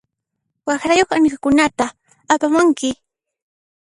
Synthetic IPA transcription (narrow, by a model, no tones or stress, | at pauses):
wɑxɾajoχankakʊnat̪aː | pamʊŋkɪ